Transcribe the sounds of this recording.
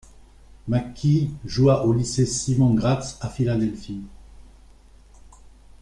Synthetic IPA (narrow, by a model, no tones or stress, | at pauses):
makʲʰiʒuaʔolisesimɔ̃ɡʁat̪afilad̪ɛlfi